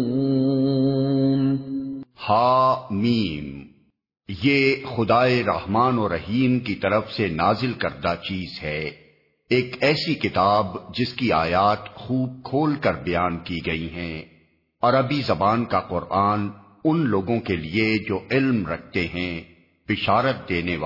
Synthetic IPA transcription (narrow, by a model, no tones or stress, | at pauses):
m | haːmiːm | jeːxʊd̪aːeɾɐ̰ɦmaːnɔːɾːɐɦiːmkit̪ɐɾəfsenaːzɪlkɐɾd̪at͡ʃiːzɦɛː | eːkɛːsikɪt̪aːbd͡ʒɪskiaːjaːt̪xuːb̚kʰoːlkɐɾbɐjaːnkiɡɐiɦɛ̃ | ɔːɾɐbizɐbaːnkaqʊɾʔaːn | ʊnloːɡõkelied͡ʒoːʔɪlmɾɐk̚ʰt̪eɦɛ̃ | b̥ɪʃaːɾət̪̚d̪eːneʋaː